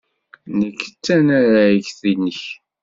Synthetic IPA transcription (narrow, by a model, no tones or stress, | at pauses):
nəkːə̥t͡sːænaɾaəʝθinːəç